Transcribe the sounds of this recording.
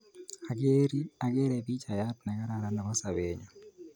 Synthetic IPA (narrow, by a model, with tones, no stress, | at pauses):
a˨ɡeɾi˦a˨ɡe˦ɾɛbi˦t͡ʃa˨jatnɛ˨ɡa˦ɾaɾanda˨mɔ˦sa˨weɲa˨